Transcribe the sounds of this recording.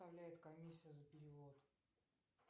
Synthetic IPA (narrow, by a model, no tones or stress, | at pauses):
avlʲæjɪt̪kɐmʲisʲːɪjəzəpʲɪɾʲɪvot̪